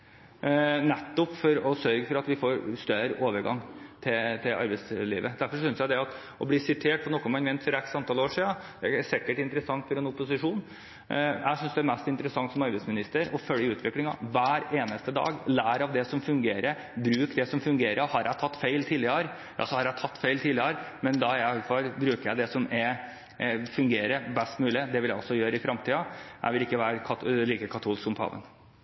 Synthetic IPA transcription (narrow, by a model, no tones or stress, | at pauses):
nɛt̪ːɔpfɔɾɔsœɾɡəfɔɾɑt̪ʋɪfoːɾst̪œɾoːʋəɾɡɑ̰ŋt̪ʰɪt̪ʰɪlʔɑ̰ɾbɛɪslḭːʋəd̪æɾfɔʂʏnəsjæd̪ɛɑt̪ | ɔbliːsɪt̪ʰeːʈ̚pʰɔnɔkːɔnmɑnmɛnt̪fɔɾɛksɑnt̪ʰɑloːʂiːɑd̪̥ɛæsɪkːəʈɪnt̪əɾəsɑŋt̪fɔɾɛnʊpːʊsɪʂuːn | æ̰sʏnsd̪ɛæɾmæst̪ɪnt̪əɾəsɑŋt̪sɔmɑɾbɛɪsmɪnɪst̪əɾɔfœlːəʉːt̪ʰʋɪklɪŋɑ̰ʋæːɾeːnəst̪əd̪ɑ̰ːɡlæːɾɑʋd̪ɛsɔmfʉŋɡeːɾə | bɾʉːkd̪ɛsɔmfʉŋɡeːɾəhɑɾæɪt̪ʰɑt̪ːfeɪlt̪ʰiːlɪəɾ | ɑ̰sɔhɑɾæɪt̪ʰɑt̪ːfeɪlt̪ʰiːlɪəɾmɛnd̪ɑæɪɑɡ̪fɑlbɾʉːkəɾjæɪd̪ɛsɔmɛ | fʉŋɡeːɾəbɛst̪mʉːlɪd̪ɛʋɪljæɪɔ̰lsɔjøːɾəɪfɾɑmt̪ʰiːɑjæ̰ɪʋɪlɪkːəʋæːɾəkʰɑliːkəkʰɑt̪ʰuːlɪskʊmpʰɑ̰ːʋə̰n